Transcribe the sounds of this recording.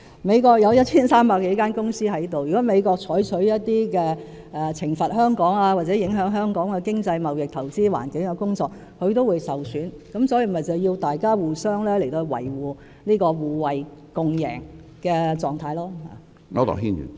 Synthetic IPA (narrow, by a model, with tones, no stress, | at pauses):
me˨˧jkɔː˧k̚jɐ˨˧wjɐ˥t̚t͡sʰiː˥nsaː˥mpaː˧kːe˨˥kaː˥nkʊ˥ŋsiː˥ɦɐ˨˥jt̪o˨wjyː˨˩kɔː˨˥me˨˧jkɔː˧k̚t͡sʰɔː˨˥jt͡sʰɵ˨˥ɥjɐ˥t̚t̪iː˥kɛː˧ | ɛ˨˩t͡sʰɪ˨˩ŋfɐ˨t̚ɦœː˥ŋkɔː˨˥ŋaː˧waː˨˩t͡sɛː˨˥jɪ˨˥ŋɦœː˨˥ŋɦœː˥ŋkɔː˨˥ŋkɛ˧kɪ˥ŋt͡sɐ˧jmɐ˨wjɪ˨k̚t̪ʰɐ˨˩wt͡siː˥wa̰ː˨˩nkɪ˨˥ŋkɛ˧kʊ˥ŋt͡sɔː˧k̚ | kʰhɵ˨˧ɥt̪o˥wu˨˧jsɐ˨wsyː˨˥nkɐ˨˧˥msɔː˨˥ji˧mɐ˨jt͡sɐ˨wjiː˧wt̪aː˨jkaː˥wuː˨sœː˥ŋlɛː˥le˨˩t̪o˧hɥwɐ̰˨˩jwuː˨˩ | niː˥kɔː˧wuː˨wɐ˨˩jkʊ˨ŋjɛ̰ː˨˩ŋ | kɛː˧t͡sɔː˨˧ŋt̪ʰaː˧jlɔː˥ha̰ː˨˩ | ŋɔ̰˧˥t̪ɔ̰˨ɦḭː˥ny̰˨n